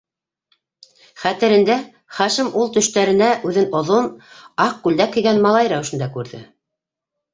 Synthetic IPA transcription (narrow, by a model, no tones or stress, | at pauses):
χæt̪ɘ̆ɾɘ̆nd̪æ | χɑʃɘmulˠt̪ɵ̆ʃt̪æɾɘ̆næʔʉðɘnŏðonɑq̚kʉld̪ækɘ̆jɡænmɑlˠɑjɾæwɘ̆ʃɘ̆nd̪ɑkʉɾðɘ̰